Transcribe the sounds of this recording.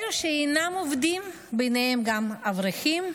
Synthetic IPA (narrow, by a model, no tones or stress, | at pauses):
luʃeejnamovd̪im | bejnehemɡamavʁiχim